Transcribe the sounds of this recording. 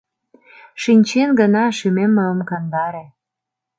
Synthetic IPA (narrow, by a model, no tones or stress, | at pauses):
ʃinʲt͡ɕenɡənɑʃymemːəəmkɑnd̪ɑɾĕ